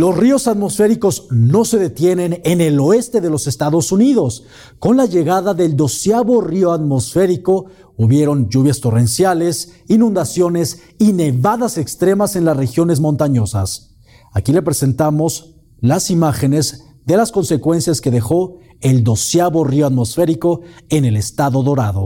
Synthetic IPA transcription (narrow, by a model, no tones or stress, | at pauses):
lo̞srio̞saðmo̞sfe̞ɾiko̞zno̞se̞ðe̞t̪je̞nẽ̞nenelo̞e̞st̪e̞ðe̞lo̞se̞st̪aðo̞suniðo̞s | ko̞nlaʝe̞ɣaðaðe̞ld̪o̞sjaβo̞rio̞aðmo̞sfe̞ɾiko̞ | uβje̞ɾo̞nd͡ʒuβjast̪o̞re̞nsjale̞s | inũnd̪asjo̞ne̞s | ine̞βaðasekst̪ɾe̞mase̞nlasre̞xjo̞ne̞zmõ̞nt̪aɲosas | akile̞pɾe̞se̞nt̪amo̞z | lasimaxe̞ne̞z | ðe̞lasko̞nse̞kwe̞nsjaske̞ðe̞xo̞ | e̞ld̪o̞sjaβo̞rioaðmo̞sfe̞ɾiko̞e̞ne̞le̞st̪aðo̞ðo̞ɾaðo̞̰